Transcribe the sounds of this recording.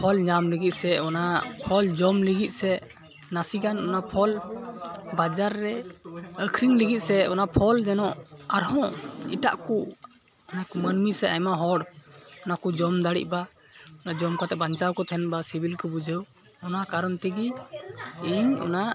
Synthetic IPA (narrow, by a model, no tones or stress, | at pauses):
pʰɔlɲamliɡit̪̚sɛɔnapʰɔld͡ʒɔmliɡit̪̚ˀsɛ | nasiɡanɔnapʰɔl | bad͡ʒaɾːɛəkʰɾiŋliɡit̪̚sɛɔnapʰɔld͡ʒɛnɔʔaɾɦɔ̃ḭʈa̰ʔku | ɔnakumənmisɛa̰jmaɦɔɽɔnakud͡ʒɔmd̪aɽḭc̚ˀba | ɔnad͡ʒɔmkat̪ɛbaɲt͡ʃawkɔt̪ʰɛnbasibilkɔbud͡ʒəw | ɔnakaɾɔnt̪ɛɡi | iɲɔ̰na